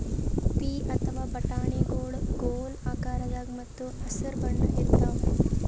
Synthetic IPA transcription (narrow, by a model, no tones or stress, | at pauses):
piːʔɐt̪ʰɐʋaːbɐʈaːɳeːɡoːɽɡoːlaːkaːɾɐd͡ʒaːɡmɐt̪ːuɐsɐɾbɐɳɖɐit̪ːaː